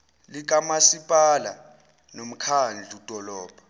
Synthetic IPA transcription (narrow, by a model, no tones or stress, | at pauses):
lik̬ʼamasipʼala̰ | nom̩kʰand͡ɮʱud̥ʱɔlɔːb̥ʱḁ